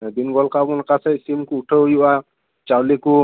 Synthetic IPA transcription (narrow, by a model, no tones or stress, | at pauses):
b̪inɡɔlkabɔnkasɛsimkuːʈʰəɦjuʔa | t͡ʃawliku